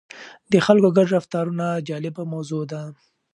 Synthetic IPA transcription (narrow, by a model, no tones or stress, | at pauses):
d̪əxalkoɡaɖɾaft̪ɑɾunad͡ʒɑlɪbamawzod̪a